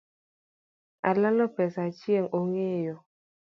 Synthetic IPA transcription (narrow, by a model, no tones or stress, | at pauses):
alalopɛsat͡ʃieŋoŋejo